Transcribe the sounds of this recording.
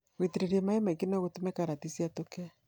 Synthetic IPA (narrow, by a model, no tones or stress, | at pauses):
wetiɾeɾiemaemaikinɛɣotumekaɾatisiatokɛ